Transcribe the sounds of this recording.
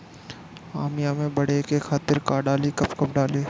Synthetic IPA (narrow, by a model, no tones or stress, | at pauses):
aːmɪjamẽbɐɽ̤ekekʰaːt̪ɪɾkaːɖaːlekɐpkɐp̚ɖaːleː